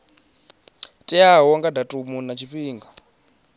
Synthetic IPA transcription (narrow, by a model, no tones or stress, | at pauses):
tʼiaɦɔŋɡadatʼumunat͡ʃʰiɸiːŋɡa